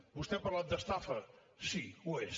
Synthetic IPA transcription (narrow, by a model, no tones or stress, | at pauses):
vust̪epɐɾlˠað̚d̪ɐʃt̪afɐ | sĩueʃ